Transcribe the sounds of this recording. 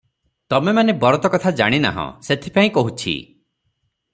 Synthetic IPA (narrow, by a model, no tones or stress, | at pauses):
t̪ɔmemanebɔɾɔt̪ɔkɔt̪ʰad͡ʒa̰ɽ̃ina̰ɦɔ̰̃set̪ʰipaĩkɔɦut͡ʃʰḭ